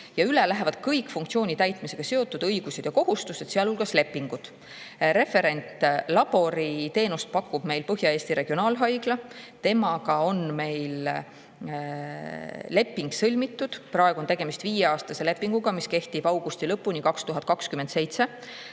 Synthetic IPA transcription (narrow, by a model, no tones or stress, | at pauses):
jɑylelæɦe̞vɑd̪̥kɤjkˑfuŋkt̪sio̞ːnʲit̪æjt̪ˑmise̞ɡ̥ɑse̞o̞t̪ːˑud̪̥ɤjɡ̥used̪̥jɑkoɦust̪uset̪seɑlulɡ̥ɑsle̞pːiŋɡud̪̥ | ɾe̞fe̞ɾe̞nʲt̪ˑlɑb̥o̞ɾit̪e̞ːnust̪̚pɑkːˑub̥me̞jlpɤɦjɑe̞ːst̪iɾe̞ɡ̥io̞nɑːlɦɑjɡ̥lɑt̪e̞mɑɡɑo̞nme̞jl | le̞pːiŋɡsɤlʲmit̪ːud̪̥prɑeɡ̥uot̪e̞ɡ̥e̞mist̪viːjeɑːst̪ɑse̞le̞pːˑiŋɡ̥uɡ̥ɑmiske̞ht̪ib̥ɑwɡust̪ilɤpːunikɑkst̪uɦɑd̪̥̚kɑkskymend̪se̞jt̪se̞